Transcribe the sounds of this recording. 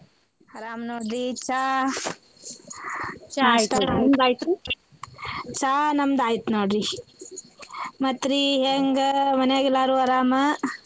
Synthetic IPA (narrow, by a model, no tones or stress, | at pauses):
hɐɾaːmnoːɖit͡ʃa | t͡ʃat̪md̪aːjt̪ɾi | t͡ʃaːnɐmd̪aːjit̪noːɖɾi | mɐt̪ɾiɦeːŋɡmɐneaɡelaːɾuɐɾaːmɐ